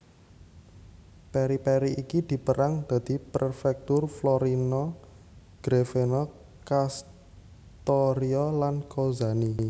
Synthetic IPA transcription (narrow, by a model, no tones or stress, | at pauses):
peɾipeɾiikid̪̥i̤pəɾʔaŋd̪̥a̤d̪̥i̤pərfɛk̚t̪ʊrflɔɾinɔ | ɡ̥ɾefenɔ | kas | t̪ɔɾiɔlankozani